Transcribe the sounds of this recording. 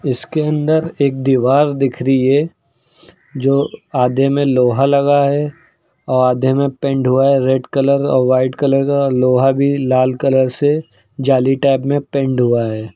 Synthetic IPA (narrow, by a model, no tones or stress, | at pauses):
ɪskeɐ̃nd̪əɾeːk̚d̪iːʋaːɾd̪ɪkʰɾiɛ | d͡ʒoːaːd̪ʱemẽloːɦalɐɡaɦɛ | ɔːɾaːd̪ʱemẽpẽɳɖɦuaɦɛɾeɖkɐləɾɔ̰ːɾʋaːɪʈkɐləɾkaːloːɦabʱilaːlkɐləɾse | d͡ʒaːliʈaːbmẽpɛ̃ɳɖɦuaɦɛː